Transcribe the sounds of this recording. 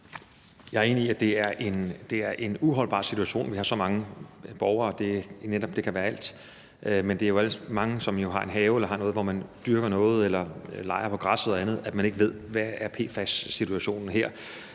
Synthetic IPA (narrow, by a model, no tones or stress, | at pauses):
jɑ̈ɪæɐe̝ːniiæd̥e̝æɐʔe̝nd̥e̝æɐʔe̝nuɦɒ̽lb̥ɑ̰̈ːsit͡sʰuæɕo̝̰ːnʋihɑ̈sɒ̽mɑ̈ŋəb̥ɒʊɐːd̥e̝ned̥ɒ̽b̥̚d̥e̝kʰæʋæːɐæl̰d̥ | ʔmend̥e̝æɐjo̝æləmɑ̈ŋəsɒ̽mjo̝ɦɑ̈ʔe̝nɦɛːʊelɐɦɑ̈nɔ̽ːð̞̩ˠʋɒmænd̥yɐɡ̥ɐnɔ̽ːð̞̩ˠelɐlɑ̈ɪɐpʰɒ̽ɡ̥ʁɑ̈soðˠɐænð̞̩ˠæd̥mæne̝ɡ̥əʋe̝ð̞̰ˠʋææɐpʰe̝̰ːfæsːit͡sʰuæɕo̝̰ːnn̩ɦeɐ̰